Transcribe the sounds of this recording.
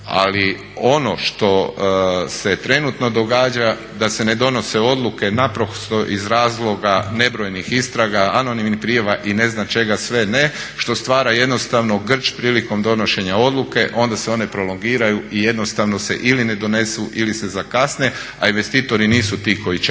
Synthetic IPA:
a̰li | o̞no̞ʃt̪o̞ | se̞t̪ɾe̞nut̪no̞d̪o̞ɡaːd͡ʒa | d̪ase̞ne̞d̪o̞no̞seo̞d̪luke̞napɾokst̪oʔizɾaːzlˠo̞ɡane̞bɾo̞jnixist̪ɾaɡaano̞nimnipɾijaʋaʔine̞znat͡ʃe̞ɡasʋe̞ne̞ | ʃt̪o̞st̪ʋaːɾaje̞d̪no̞st̪aʋno̞ɡr̩t͡ʃpɾiːliko̞md̪o̞no̞ʃe̞ɲao̞d̪lˠuke̞ʔo̞nd̪aseo̞ne̞pɾo̞lo̞ŋɡiːɾajuije̞d̪nost̪aʋno̞sḛʔiline̞d̪o̞ne̞suʔilise̞zakasne̞ | ainʋe̞st̪iːt̪o̞ɾiniːsut̪iːko̞it͡ʃ

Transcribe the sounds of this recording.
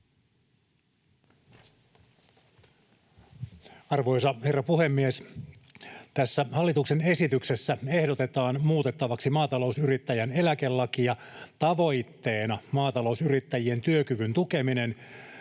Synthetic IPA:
ɑrʋo̞jsɑhe̞rːɑpuhe̞mːies | t̪æsːæhɑlːit̪uksene̞sit̪yksesːæe̞hdot̪e̞t̪ɑːnmuːt̪e̞t̪ːɑʋɑksimɑːt̪ɑlo̞usyɾit̪ːæjæne̞lækelːɑkijɑt̪ɑʋo̞jt̪ːeːnɑmɑːt̪ɑlo̞usyɾit̪ːæjie̞nt̪yøkyʋynt̪uke̞minen

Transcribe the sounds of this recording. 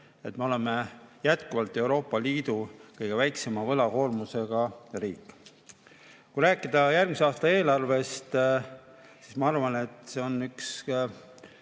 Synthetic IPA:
e̞t̪me̞o̞le̞mejæt̪kuvɑlt̪ːˑe̞wɾo̞ːpːˑɑliːd̪̥ukɤjɡ̥e̞væjkse̞mɑvɤlɑko̞ːrmuse̞ɡ̥ɑrḭːkːˑ | kujɾæːkːˑid̪̥ɑjærɡ̥miseɑːst̪ɑe̞ːlɑrve̞st̪ | si̥smɑɑrvɑne̞t̪ːˑse̞o̞nːyks

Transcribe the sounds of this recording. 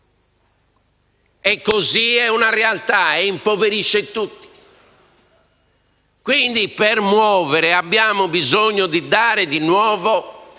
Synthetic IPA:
ɛkːoziɛunarɛalt̪aɛimpoveɾiʃːɛt̪ut̪ːi̥ | kwind̪ipɛɾmwɔːvɛɾɛabːjaːmɔbizoɲːɔd̪id̪aːɾɛd̪inwɔːvɔ

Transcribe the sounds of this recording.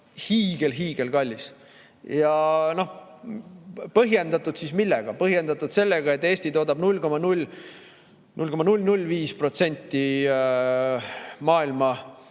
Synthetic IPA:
hiːɡ̥e̞lɦiːɡ̥e̞lkɑlʲːis | jɑno̞h | pɤɦje̞nd̪ɑt̪ːˑud̪̥sismilːɛɡ̥ɑpɤɦje̞nd̪ɑt̪ːˑud̪se̞lːeɡ̥ɑe̞t̪ːˑe̞ːsʲt̪it̪o̞ːd̪ɑbnulʲko̞mɑnulʲ | nulʲko̞mɑnulʲnulʲːviːspro̞t̪se̞nʲt̪ːi | mɑːilmɑ

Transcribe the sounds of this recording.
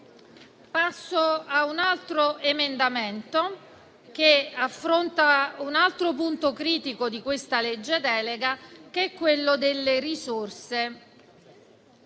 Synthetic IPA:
pasːoaunalt̪ɾoemend̪ament̪o | k̟eafːɾont̪aunalt̪ɾopunt̪okɾiːt̪ikod̪ikwest̪aled͡ʒːed̪ɛːleɡakeɛkːwelːod̪elːeɾisorse

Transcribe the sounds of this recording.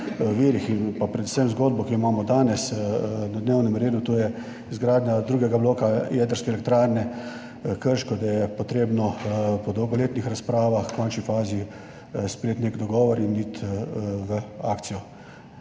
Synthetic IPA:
əʋeːɾixinpapɾɛd̪u̥səmzɡoːd̪̚bɔkimaːmɔd̪aːnɛsnad̪neːwnɛmɾeːd̪ut̪ojɛ | izɡɾaːd̪nʲjad̪ɾuːɡɛɡabloːkajɛd̪əɾskɛːlɛk̚t̪ɾaːɾnɛ | kəɾʃkɔd̪ajɛpɔt̪ɾeːbnɔpɔd̪ɔwɡɔleːt̪nixɾaspɾaːʋaxkɔnt͡ʃnifaːzi | spɾɛjeːt̪nekd̪ɔɡɔːʋɔɾinːit̪ʋəaːkt̪sijɔ

